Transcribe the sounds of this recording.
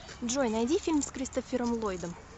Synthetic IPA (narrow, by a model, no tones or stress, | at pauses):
d̪ʒojnɐjd̪ʲifʲilʲmskɾʲɪst̪ofʲɪɾəmlˠojd̪əm